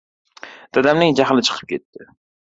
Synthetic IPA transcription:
d̪̥ad̪amnɪŋd͡ʒaɦlˠɪt͡ʃʰɨ̥qʰəp̚kʲʰet̪ʰːɪ

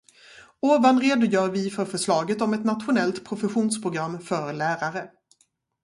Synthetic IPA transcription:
oːvanɾeːd̪ʊjœːɾvɪfœɾfœʂlɑːɡət̪ɔmɛt̪nat̪ɧʊnɛlt̪pʰɾʊfɛɧuːnspʰɾʊɡɾamːfœɾlæːɾaɾə

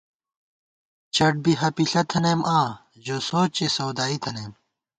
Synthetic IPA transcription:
t͡ɕɐʈ̚biɦɐpiɬɐt̪ʰɐneːmʔãː | ʑoːsoːt͡ɕesɐwd̪aːit̪ʰɐneːm

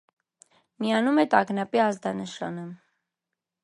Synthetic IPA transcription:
mijɑnumɛt̪ɑɡnɑpiɑzd̪ɑnəʃɑ̰nə

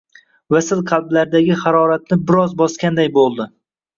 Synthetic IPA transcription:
vasɪlˠqʰɑlˠblaɾd̪aɡʲɪχɑɾɒɾat̪̚nɪbɪɾɒzbɒskʲand̪ajbolˠd̪ɪ

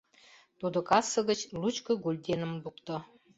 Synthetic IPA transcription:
t̪ud̪ŏkɑsːɤ̆ɣə̆t͡ɕlut͡ɕkɤ̆ɡulʲd̪ʲenə̆mbukt̪ɤ̆

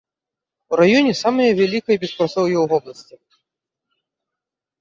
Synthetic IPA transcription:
uɾajɔnʲɛsamɐjɐvʲalʲikɐjɐbʲɛspɾat̪sɔwjɛwɣɔblˠɐsʲt͡sʲi

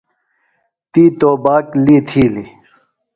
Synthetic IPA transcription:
t̪iːt̪oːbaːkliːt̪ʰiːli

